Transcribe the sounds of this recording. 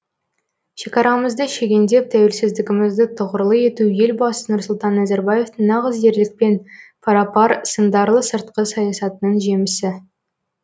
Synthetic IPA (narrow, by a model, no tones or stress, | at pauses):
ʃekɑɾɑməzd̪əʃe̞ɡʲend̪e̞p̚t̪ʰæwe̞lsɪzd̪ɪɡʲɪmɪzd̪ɪt̪ʰʊʁəɾlˠəje̞t̪uje̞lbɑsənʊɾsʊlˠt̪ɑnːæzeɾbɑje̞ft̪əɴnɑʁəzje̞ɾlɪk̚pe̞npʰɑɾɑpɑɾsənd̪ɑɾlˠəsəɾt̪qəsɑjɑsɑt̪ənəɴʒe̞mɪsɪ